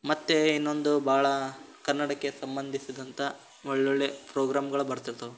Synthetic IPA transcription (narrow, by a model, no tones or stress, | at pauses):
mɐt̪ːeinːo̞nd̪ubaːɭɐ | kɐɾnːɐɽɐkːe̞sɐmbɐnd̪ʱisid̪ɐnt̪ɐ | ɔɭːoɭːepɾoːɡɾaːmɡɐɭubɐɾt̪it̪ɐ